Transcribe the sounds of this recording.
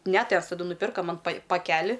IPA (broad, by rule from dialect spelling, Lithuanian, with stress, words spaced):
nʲɛ ˈtʲɛws tɐˈdʊ nʊˈpʲɪrkɐ ˈmɐn pɐɪ pɐˈkʲæːlʲɪ